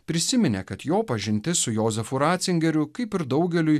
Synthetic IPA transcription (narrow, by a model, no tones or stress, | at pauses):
pʲɾʲɪsʲɪmʲɪnʲḛkɐt̪joːpɐʒʲɪnʲt̪ʲɪsʊjoːzʲɛfʊɾɑːt̪sʲɪŋʲɡʲɛɾʲʊkɐɪpɪɾd̪ɐʊɡʲɛlʲʊj